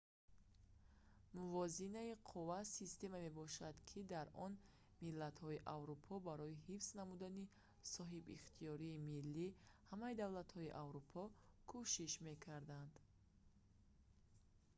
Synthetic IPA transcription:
muvɔzinaiqʰuvasist̪e̞mame̞bɔʃad̪kʰid̪aɾɔn | milːat̪hɔiʔavɾupʰɔbaɾɔiɦifsnamud̪ani | sɔɦibḭχt̪ʰiɔɾiːmilːihamaid̪avlat̪hɔiʔavɾupʰɔkʰuʃiʃme̞kʰaɾd̪and̪

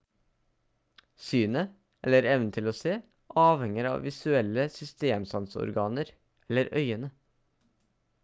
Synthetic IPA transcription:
syːnə | ɛləɾɛʋnət̪ʰɪloːseː | ʔɑːʋhɛŋəɾɑ̰ːʋʋɪsʉɛləsʏst̪eːmsɑnsɔ̰ɾɡɑːnəɾ | ɛlːəɾœʏənə

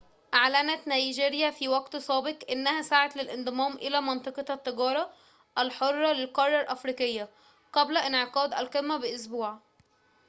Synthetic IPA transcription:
ʔaʕlænæt̪næiʒeːɾjæfiːwɑɡt̪sˤɑːbeqʔenːæhæsaʕat̪lelʔɪnd̪ˤɨmɑːmʔɪlæːmɑnt̪ˤɑqɑt̪ˤːɑɡɑːɾˤɑ | ʔælħorˤːɑlelqɑrˤːɑɾˤʔæfɾiːkɪjːæ | qæblæʔɪnʕeqɑːd̪ʔælqelmæbeʔos̬buːʕ

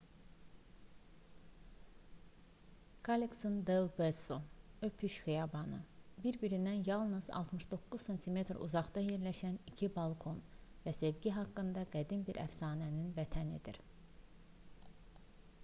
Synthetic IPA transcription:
kʰaliksond̪elbesoøpʰyʃxijɑbɑnɯ̰biɾbiɾind̪ænjɑlˠnɯz̥ɑ̰lˠt̪mɯʃd̪o̞kːuzsent̪ʰime̞t̪ɾṵzɑχd̪ɑje̞ɾlæʃænicʰibɑlˠkʰo̞nvæse̞vɟiɦɑkːɯnd̪ɑɡæd̪imbiɾʔæ̰fsɑːnæninvæt̪ʰæned̪ḭɾ

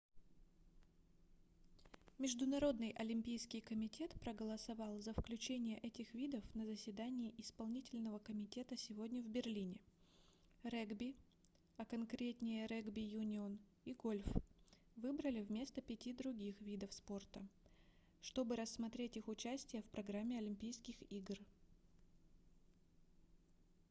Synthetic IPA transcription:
mʲɪʐd̪ʊnɐɾo̞d̪nɨjʔɐlʲɪmʲpʲijskʲɪjkəmʲɪtʲe̞t̪pɾəɡəlˠəsɐvɑlˠzəfklʲʉt͡ɕenʲɪjəʔɛtʲɪxvʲid̪əfnəzəsʲvʲɪd̪anʲɪːʔɪspɐlˠnʲitʲɪlʲnəvəkəmʲɪtʲe̞t̪əsʲɪvo̞dʲnʲəvbʲɪrlʲinʲɪ | rɛɡbʲɪ | ɐkɐnkɾʲet̪ʲnʲɪjəɾɛɡbʲɪjunʲɪon | iɡo̞lʲf | vɨbɾəlʲɪvmʲe̞st̪əpʲɪtʲid̪ɾʊɡʲixvʲid̪əfspo̞rt̪ə | ʂt̪o̞bɨɾəsːmɐt̪ɾʲetʲixʊt͡ɕæsʲtʲɪjəfpɾɐɡɾamʲːɪɐlʲɪmʲpʲijskʲɪxiɡr

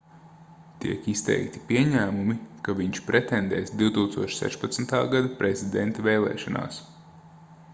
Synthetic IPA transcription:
t̪iɛkist̪ɛ̰jkt̪i̥piɛɲæːmumikaviɲt͡ʃpɾʔɛt̪ɛnd̪ɛːsd̪iwt̪uːkst̪uɔʃsɛ̰ʃpat̪snt̪a̰ːɡad̪apɾɛzʲid̪ɛnt̪ɐvɛːlɛ̰ːʃɔna̰ːs

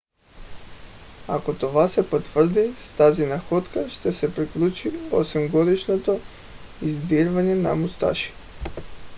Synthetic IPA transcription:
akot̪ovasɛpot̪vr̩d̪ist̪azinaxɔt̪kaʃt̪ɛsɛpɾiklˠut͡ʃio̰sɛmɡod̪iʃnot̪o | izd̪iɾvaɲɛna̰must̪a̰ʃi̥

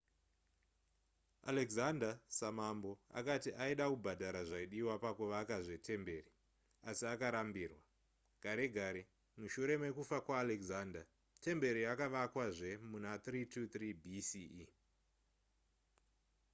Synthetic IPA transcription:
a̰leɡzandasamambo̞a̰katiʔaiɗakubʱadʱaɾaʐaiɗiwapakuʋaːkaʐe̞tʰe̞mbe̞ri | asiakaɾambiːrwa | ɡ̥ʱaɾeɡʱaɾe | muʃuɾe̞mekufakwaːlekzanda | te̞mbe̞ɾiakaʋakwaʐe̞munat̪ritut̪ribʱisi

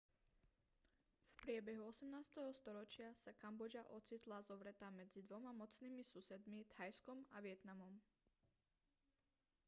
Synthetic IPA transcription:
fpɾɪɛbɛɦuɔsɛmnaːst̪ɛɦɔst̪ɔɾɔt͡ʃɪasakambɔd͡ʒaʔɔt͡sit̪lazɔʋɾɛt̪amɛd͡zid̪ʋɔmamɔt͡sniːmisusɛd̪mit̪hajskɔmaʋɪɛt̪namɔm

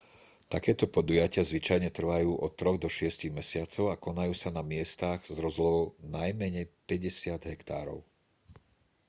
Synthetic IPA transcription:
t̪akɛːt̪ɔpɔd̪ujacɪazʋit͡ʃajɲɛt̪r̩ʋajuːʔɔt̪ːɾɔɣd̪ɔʃɪɛsciɣmɛsɪat͡sɔʊakɔnajuːsanamɪɛst̪aɣzɾɔzlɔʊnajmɛɲɛjpɛɟɛsɪad̪ɦɛkt̪a̰ːɾɔ̰ʊ

